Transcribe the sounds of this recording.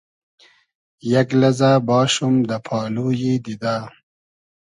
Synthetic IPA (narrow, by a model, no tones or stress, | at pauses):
jaɡlɐzabɑːʃumd̪əpʰɑːluːjid̪id̪aː